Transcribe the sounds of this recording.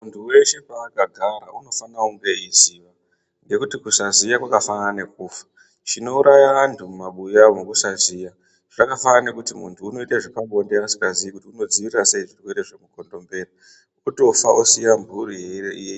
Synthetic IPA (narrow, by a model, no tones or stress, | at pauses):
muntʰuwe̞ʃe̞paːkaɡʱaɾa̰ʔuno̞fanauŋɡe̞iziːʋa | ŋɡe̞kutikusazijakwakafanane̞k̚uːfḁ | t͡ʃino̞uɾʔajaantʰumumaɓujamokusaziːja | ʐakafaane̞kutimṵntʰuːno̞itaʐipaŋɡo̞ndeasi̥kaziikutiuno̞d͡ziʋirirase̞iʐirwe̞ɾe̞ʐemuko̞ndo̞mbe̞ra | oto̞faʔosijambʱuɾiɦeiɾeʔije